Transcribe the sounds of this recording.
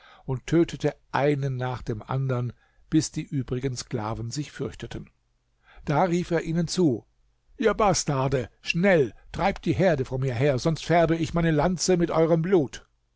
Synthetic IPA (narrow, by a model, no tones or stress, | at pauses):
ʊnttʰøːtʰətəʔaɪnənːaːχd̥eːmʔa̰ndɐn | b̥ɪsd̥iːʔyːbʁɪɡənskl̥a̰ːvnzɪçfʏɐçtətʰən̩ | d̥aːʁiːfeːɐʔiːnənt͡suː | ʔiːɐbastaɐdəʃnɛltʁ̥aɪp̚t̚d̥iːɦeːɐdəfonmiːɐɦeːɐzɔnstfɛɐbəɪçmaɪnəlant͡səmɪtʔɔʏʁ̞əmbluːt